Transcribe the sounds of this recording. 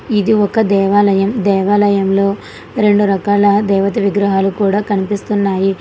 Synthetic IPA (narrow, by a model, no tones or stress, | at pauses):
id̪iɔkɐd̪ɛːʋaːlɐjɐmd̪ɛːʋaːlɐjɐmlo̞ː | ɾe̞ɳɖuɾɐkaːlɐd̪ɛːʋɐt̪̬iʋiɡɾɐɦaːlukuːɽaːkɐnipist̪unːaːji